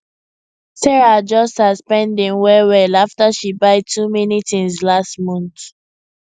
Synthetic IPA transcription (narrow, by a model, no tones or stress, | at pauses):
sɛɹad͡ʒɔstaspɛ̃ndĩŋwɛwɛlaftaʃibaɪtʰuminitĩŋzlastmɔ̃nθ